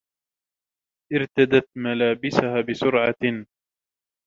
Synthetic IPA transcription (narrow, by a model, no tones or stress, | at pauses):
ʔɪɾt̪ad̪at̪malaːbɪsahaːbɪsʊɾʕɑ